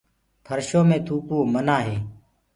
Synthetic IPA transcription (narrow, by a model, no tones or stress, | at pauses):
pʰəɾʃoːmẽːt̪ʰuːkoːmənaːɦeː